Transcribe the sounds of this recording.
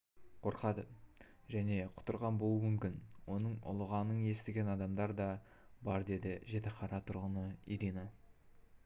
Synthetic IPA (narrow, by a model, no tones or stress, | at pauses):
qʰo̞ɾqɑd̪ə | ʒæne̞qʰʊ̥t̪əɾʁɑnbolˠumʏmkʲɪnwo̞nəɴʊ̰lˠəʁɑnəɴje̞st̪ɪɡʲe̞nɑd̪ɑmd̪ɑɾd̪ɑ | bɑɾd̪e̞d̪ɪʒe̞t̪ɪqʰɑɾɑt̪ʰʊɾʁənəiɾina